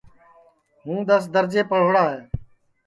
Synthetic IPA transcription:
ɦũːd̪əs̬d̪əɾd͡ʒeːpəɽ̤oːɽaːɦeː

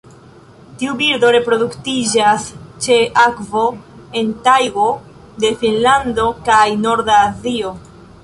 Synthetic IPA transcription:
tiubiɾdo̞ɾe̞pɾo̞duktid͡ʒast͡ʃe̞ʔakvo̞e̞ntajɡo̞ | de̞finlando̞kajno̞ɾdaːzio̞

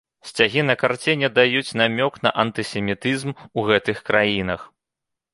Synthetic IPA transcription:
sʲt͡sʲaɣʲin̪ɐkart͡sʲɛnʲɛd̪ajut͡sʲnamʲɔknɐʔɐnt̪ɨsʲɛmʲit̪ɨzmuɣɛt̪ɨxkɾajin̪ɐx

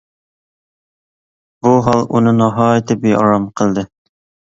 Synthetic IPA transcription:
buɦɑlˠṵnɤnɑɦɑet̪ɘp̚bejɑ̰ɾɑmqɤ̆lˠd̪ɤ

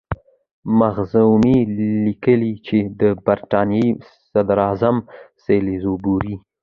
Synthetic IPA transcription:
maɣzawmilikəlit͡ʃed̪əbaɾʈ̪ɑnje | sad̪ɾɑzamselizobuɾi

